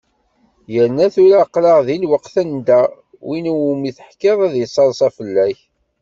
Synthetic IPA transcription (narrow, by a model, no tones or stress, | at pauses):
jəɾnæθuɾaqːləʁðilwəqθænd̪æ | winuwumiθħkeðˤæðjsˤɑlsˤɑfəlːæç